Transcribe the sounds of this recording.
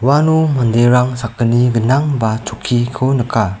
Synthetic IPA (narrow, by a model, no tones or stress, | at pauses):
wanumandeɾaŋsakəniɡənaŋbat͡ʃukʰikʰonəkʰa